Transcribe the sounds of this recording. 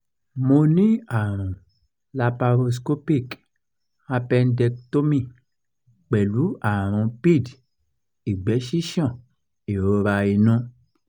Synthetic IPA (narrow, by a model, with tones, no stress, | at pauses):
mo˧nĩ˦a˦˨ɾ̃ɔ̃˨ | la˧pa˧ɾo˧s̬ko˦pi˦˨k | a˧pɛ˧ndɛ˧kto˦mĩ˦˨ | k͡pɛ˨lu˨˦a˦˨ɾ̃ɔ̃˧pi˦˨d | i˨ɡ͡bɛ˨˦ʃi˦ʃɔ̃˦˨ | e˨ɾo˧˦ɾa˧i˧nũ˦